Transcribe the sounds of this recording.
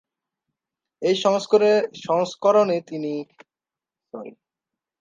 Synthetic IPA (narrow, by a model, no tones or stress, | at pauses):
ejʃɔŋskoɾeʃɔŋskɔɾonet̪ini | soɾḛ